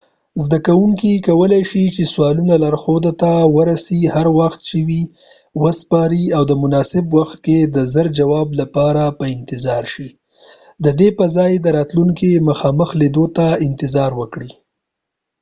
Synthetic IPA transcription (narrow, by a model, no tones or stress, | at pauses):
zd̪akawuŋkikawəlajʃit͡ʃeswɑlunalaɾxod̪at̪awəɾasihaɾwaxt̪̚t͡ʃɪwi | wəspɑɾiawd̪əmʊnɑsɪbwaxt̪̚ked̪əzəɾd͡ʒawɑblapɑɾapəɪnt̪ɪzɑɾʃi | d̪əd̪epəzɑjd̪əɾɑt̪luŋkiməxɑməxled̪ot̪aɪnt̪ɪzɑɾwəkɽi